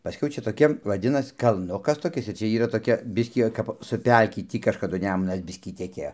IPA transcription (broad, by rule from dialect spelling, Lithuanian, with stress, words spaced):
pɐˈsʲkʲɛʊ ˈt͡ʃʲɛ toːˈkʲiɛ ʋɐˈdʲɪnɐs kɐlˠˈnʊkɐs toːˈkʲɪs ɪr ˈt͡ʃʲɛ ˈiːrɐ toːˈkʲɛ ˈbʲɪsʲkʲiː oː kɐp sʊ ˈpʲɛlʲkʲɪ ˈtʲiː kɐʃkɐˈdʊ ˈnʲæːmʊnɐs ˈbʲɪsʲkʲiː tʲɛˈkʲeːjoː